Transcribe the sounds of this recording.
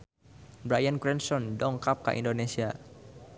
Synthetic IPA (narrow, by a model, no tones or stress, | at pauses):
bɾajankɾɛnsɔndɔŋkap̚ka̰ʔḭndonesia